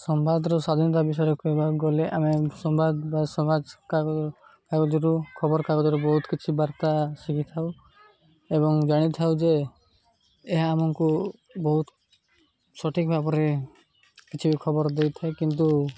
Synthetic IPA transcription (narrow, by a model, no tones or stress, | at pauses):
sɔmbad̪ɾɔsad̪ʱinɔt̪̬abis̬ɔjɾɔkuebaɡɔleʔamesɔmbad̪basɔmad͡ʒkakaɡɔd͡ʒɔɾukʰɔbɔɾkaɡɔd͡ʒɔɾubɔɦut̪kit͡ʃʰibaɾt̪asikʰit̪ʰaw | ebɔŋd͡ʒaɽ̃it̪ʰawd͡ʒe | ɦaːmɔŋku | bɔɦut̪ | sɔʈʰik̚bʱabɔɾe | kit͡ʃʰibikʰɔbɔɾd̪ejt̪ʰaekint̪̬u